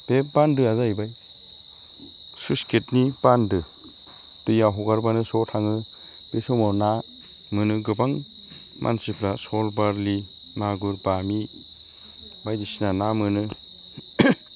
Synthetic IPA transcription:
b̥epandɯazajbaj | susketnipandɯ | tɯjaɦɔɡaɾbanɯsɔtʰaŋɯ | b̥esɔmɔna | mɯnɯɡɯbaŋ | mʔa̰nsipʰlasɔlbaɾli | maɡuɾbami | bajdisinanamɯnɯ

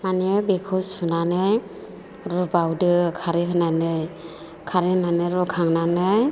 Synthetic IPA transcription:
manebekʰɯsunanɯj | ɾubawdɯkʰaɾɯɦɯnanɯj | kʰaɾehnanɯɾɔkʰaŋnanɯj

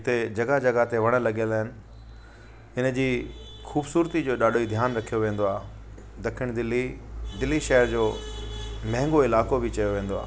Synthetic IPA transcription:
ɪt̪ed͡ʑɐɡad͡ʑɐɡat̪eʋɐɽ̃ə̆lɐɠjəlaːɦɪnɪ̆ | ɪnə̆d͡ʑiː | xuːbsuːɾt̪id͡ʑoːɗaːɖʱoid̪ʱjaːnɾɐkʰijoʋẽːn̆d̪oaː | d̪ɐkʰɪɽ̃d̪ɪlid̪ɪlːiʃɛɦəɾd͡ʑoː | mɐ̃ɦɪ̃ŋɡoɪlaːkobʱɪt͡ɕɐjoʋẽːn̆d̪oa̰ː

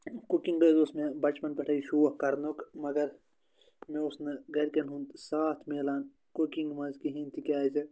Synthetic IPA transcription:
kukĩŋɡɐzosmẽbɐt͡ʃpɐnpɐʈʰɐiʃuʋɐkɐɾnokmɐɡɐɾ | mẽʊsnɐɡɐɾkenɦũnd̪saːt̪ʰmeːlaːn | kukiŋɡmɐzkiɦent̪ʰikʲaːzɐ

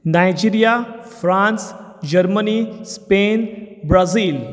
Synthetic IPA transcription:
najd͡ʑiɾijafɾãns | d͡ʑəɾmənispenbɾaziːl

